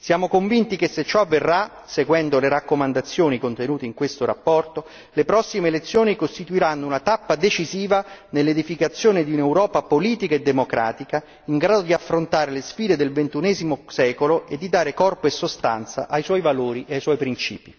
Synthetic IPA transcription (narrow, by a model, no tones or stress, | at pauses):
sjaːmokoɱvint̪ikesːet͡ʃːɔavːerːa | seɡwɛnd̪oleɾakːomand̪at̪sːjoːnikont̪enuːt̪eiŋkwest̪oɾa̰pːɔrt̪o | lepɾɔsːimeːlet̪sːjoːnikost̪it̪uiɾanːounat̪apːad̪et͡ʃiziːvanelːed̪ifikat̪sːjoːned̪iunewɾɔːpapoliːt̪ikaed̪ːemokɾa̰ːt̪ika | iŋɡɾaːd̪od̪iafːɾont̪aːɾelesfiːd̪ed̪elvent̪unɛːzimosɛːkoloed̪ːid̪aːɾekɔrpoesːost̪a̰nt̪sa̰ʔajswɔjvaloːɾiʔeajswɔjpɾint͡ʃḭːpi